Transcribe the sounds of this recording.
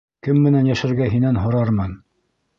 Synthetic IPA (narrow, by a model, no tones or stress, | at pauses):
kɘmːɘ̆nænjæʃæ̆ɾɡæɦinænɦŏɾɑɾmɤn